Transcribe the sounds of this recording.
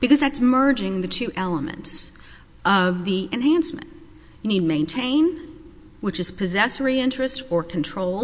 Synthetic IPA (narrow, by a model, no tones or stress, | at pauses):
b̥ɨkʌzðætsmɜ˞d͡ʒɪ̃ŋðɨtʰʉʔɛlˠəmɨ̰̃nts | ʔʌvðiʔɨ̃nɦæ̃nsmɨ̰̃nt | jɨnid̚mẽɪ̃ntʰẽɪ̃n | wɨt͡ʃɨz̥pʰɨzɛsə˞iɪ̃nt͡ʃɹ̥ɨstə˞kʰɨ̃n̩tʰɹ̥oʊlˠ